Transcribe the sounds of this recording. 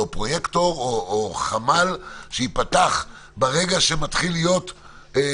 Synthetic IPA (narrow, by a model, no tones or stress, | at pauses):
opʁo̞jekt̪o̞ʁoːχamalʃeipataχ | beʁe̞ɡaʃematχilijo̞t